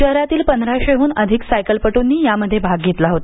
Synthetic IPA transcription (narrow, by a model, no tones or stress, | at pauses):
əɦɾat̪iːlpənd̪ʱɾaɕeɦuːnəd̪ʱiksajkəlpəʈunːiːjaməd̪ʱːjebʱaɡɡːʱet̪laɦot̪a